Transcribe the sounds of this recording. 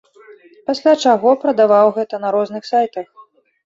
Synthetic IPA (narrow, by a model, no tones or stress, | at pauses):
pasʲlʲat͡ʂaɣɔpɾɐd̪avawɣɛt̪ɐnɐɾɔznɨxsajt̪ɐx